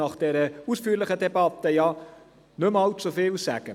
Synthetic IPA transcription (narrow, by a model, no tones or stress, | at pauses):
ɑχd̥ɛɾəuːsfyːlɪχədebɑt̪əjɑ | nømɑlt͡sufɪːlsæːɡ̥ə